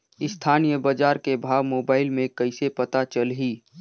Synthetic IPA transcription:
ɪst̪ʰaːnijəbad͡ʒaːɾkebʱaːʋmoːbaːɪlmẽkəɪsepət̪at͡ʃəlɦiː

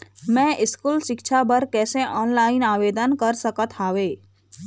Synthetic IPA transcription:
mɛ̃ʔɪskulʃɪkʃʰabəɾkɛsẽʔɔnlainaʋed̪ənkəɾsəkət̪ʰɦaʋe

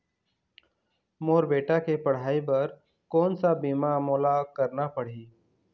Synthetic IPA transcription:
moːɾbeːʈakepɐɽ̤aːipɐɾ | kɔːnsabiːmamoːlakəɾnapɐɽ̤iː

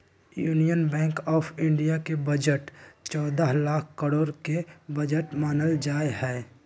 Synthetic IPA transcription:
juːnijənbɛ̃ːŋkɔːpʰɪ̃ɳɖijakebəd͡ʒəʈt͡ʃɔːd̪aɦlaːkʰkəɾoːɾkebəd͡ʒəʈmaːnəld͡ʒaːehɛː

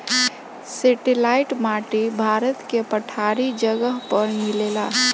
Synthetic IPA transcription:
seːʈɪlaːɪʈmaːʈibʱaːɾət̪kepəʈʰaːɾid͡ʒəɡəɦpəɾmɪleːlaː

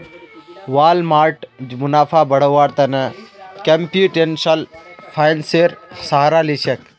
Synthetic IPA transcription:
ʋaːlmaːɾʈmʊnaːpʰaːbɐɽəwaːɾt̪ɐnɐkɐmpjuːʈensɐlpʰajnseːɾsaɦɾaːlit͡ʃʰɐk

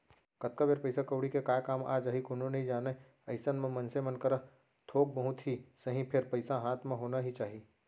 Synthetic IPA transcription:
kɐt̪̚kabeɾpɐɪsakəʊɽikekaːkaːma̰ːd͡ʒaɦikʊnõnɐɦĩd͡ʒaːne | ɐɪsənmẽmɐnsemɐnkəɾə | t̪ʰoːk̚bɐɦʊt̪ɦisɐɦĩpʰɪɾpɐɪsaɦaːt̪ʰmẽɦoːnaɦit͡ʃaːɦiː

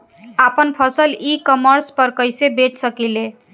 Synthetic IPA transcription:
apənpʰəsəlikəməɾspəɾkəɪsebet͡ʃsəkile

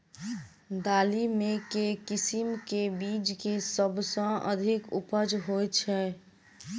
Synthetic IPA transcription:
d̪aːlimẽkekɪsimkebiːd͡ʒkesəbʱsə̃ə̰d̪ʱɪkʊ̰pəd͡ʒɦojt͡ʃʰɛː

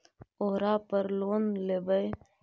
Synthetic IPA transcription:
oɦɾaːpəɾloːnlebəj

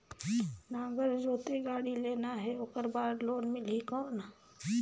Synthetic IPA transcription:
nãɡəɾd͡ʒot̪eɡaɽiːlenaɦeokəɾbaːɾloːnmɪlɦikəna

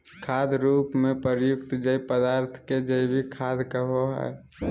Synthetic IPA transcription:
kʰaːd̪ɾuːpmẽpəɾjʊkt̪d͡ʒəipəd̪aːɾt̪ʰked͡ʒəibʱikʰaːd̪kəɦoɦɛ̰ː

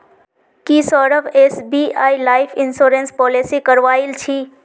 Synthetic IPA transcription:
kisɔːɾəbesbiaːilaːɪpʰɪnsoːɾenspɔːlesikəɾʋaːilt͡ʃʰi

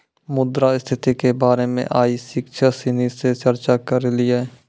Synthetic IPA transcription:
mʊd̪ɾaɪst̪ʰɪt̪ikebaːɾemḛ̃ʔaːisɪkʃʰasɪniset͡ʃəɾt͡ʃakəɾliɛː

